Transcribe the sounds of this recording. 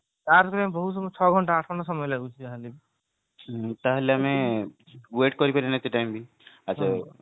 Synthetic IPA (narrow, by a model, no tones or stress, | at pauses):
taɾkɔɾiambɔɦut̪sɔmɔt͡ʃʰɔɡʱɔɳʈaaʈʰɡʱɔɳʈasɔmɔjlaɡut͡ʃʰiaɦalib | t̪aɦeleame | weʈkɔɾipaɾinat̪uʈajmbʱi | ad͡ʒʰa